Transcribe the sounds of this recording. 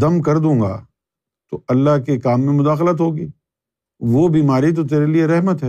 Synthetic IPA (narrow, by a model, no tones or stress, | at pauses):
ɐmkɐɾd̪ũːŋɡa̰ː | t̪oɐlːaɦkekaːmːẽmʊd̪aːxlət̪ɦoːɡiː | ʋobiːmaːɾit̪̬ot̪̬eːɾelieɾɛɦmət̪ɦɛː